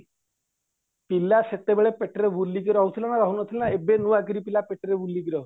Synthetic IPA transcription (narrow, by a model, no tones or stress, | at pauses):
pilaset̪ebeɭepeʈɾebulːikiɾɔɔɦut̪ʰilɔnaɾɔɦunɔt̪ʰilenaebenuaɡiɾipilapeʈɾebulːikiɾɔ